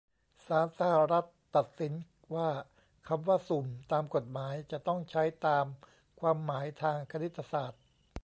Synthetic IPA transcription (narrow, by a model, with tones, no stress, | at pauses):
saː˩˦nsa˧ha˨˩ɾa˦˥t̪ːa˨˩t̪̚si˩˦n | waː˥˩ | kʰa˧mwaː˥˩su˨˩mt̪aː˧mko˨˩t̪̚maː˩˦jt͡ɕa˨˩t̪ɔ˥˩ŋt͡ɕʰa˦˥jt̪aː˧m | kʰwaː˧mːaː˩˦jt̪ʰaː˧ŋkʰa˧ni˦˥t̪ʰːa˧saː˨˩t̪̚